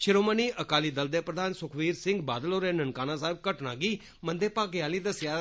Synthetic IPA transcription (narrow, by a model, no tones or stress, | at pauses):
ʃɪɾoːməniːʔəkaːliːd̪əld̪eːpɾəd̪aːnsʊkʰʋiːɾsɪ̃ŋɡbaːd̪əloːɾeːnənkaːnãːsaːɪb̚kəʈnãːɡiː | mənd̪eːpaːɡɪjaːliːd̪əsjaː